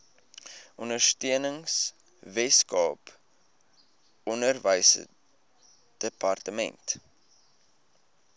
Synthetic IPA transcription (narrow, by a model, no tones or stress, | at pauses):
ʔɔndərstiənəŋs | vɛskɑːp | ɔnərvəjsə̰ | d̥əpɐrtəmɛ̰nt